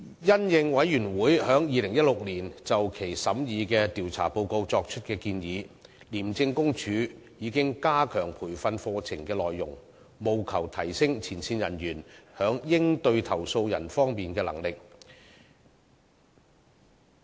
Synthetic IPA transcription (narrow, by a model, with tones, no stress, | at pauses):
jɐ˥njɪ˧ŋwɐ˨˥jjyː˨˩nwuː˨˥jhœː˨˥ŋjiː˨˧lɪ˨˩ŋjɐ˥t̚lʊ˨k̚liː˨˩nt͡sɐ˨wkʰe˨˩jsɐ˨˥mjiː˨˧kɛː˧t̪iː˨˩wt͡sʰa̰ː˨˩po˧wko˧wt͡sɔː˧k̚t͡ʃʰɵ˥t̚kɛː˧kiː˧njiː˨˧ | liː˨˩mt͡sɪ˧ŋkʊ˥ŋt͡ʃʰyː˨˥jiː˨˧˥kɪ˥ŋkaː˥kʰœː˨˩ŋpʰuː˨˩jfɐ˧nfɔː˧t͡sʰɪ˨˩ŋkɛː˧lɔː˨jːʊ̰˨˩ŋ | mo˨wkʰɐ˨˩wt̪ʰɐ˨˩jsɪ˥ŋt͡sʰiː˨˩nsʰiː˧njɐ˨˩njyː˨˩nhœː˨˥ŋjɪ˥ŋt̪ɵ˧ɥt̪ʰɐ˨˩wso˧wjɐ̰˨˩nfɔː˥ŋmiː˨nkɛː˧lɐ̰˨˩ŋlɪ˨k̚